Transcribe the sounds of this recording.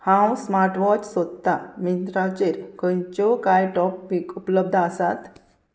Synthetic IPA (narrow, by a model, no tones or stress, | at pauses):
hãwsmaɾʈʋɔt͡ɕsod̪t̪amint̪ɾat͡ɕeɾkənt͡ɕɔkajʈɔpikupləb̚d̪ʱasat̪